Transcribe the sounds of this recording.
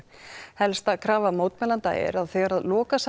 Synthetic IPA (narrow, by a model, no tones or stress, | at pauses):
hɛlst̪akʰɾaːvamowt̪mɛnlant̪a̰ɛ̰ɾaðθɛɣaɾaðlɔːkas